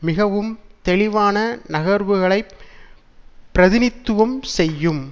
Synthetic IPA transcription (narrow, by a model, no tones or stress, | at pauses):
mɪɣɐʋɯmt̪ɛɭɪʋaːnɐnɐɣɐɾʋɯɣɐɭɐɪ | pːɪɾɐðɪnɪt̪ːɯʋɐmsɛjːɯm